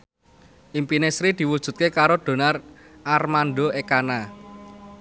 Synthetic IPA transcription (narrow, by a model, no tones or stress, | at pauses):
ʔimpinesɾid̪̥i̤wud̥ʒ̥ṳt̪̚kekaɾod̪̥o̤nar | ʔarmanɖoekana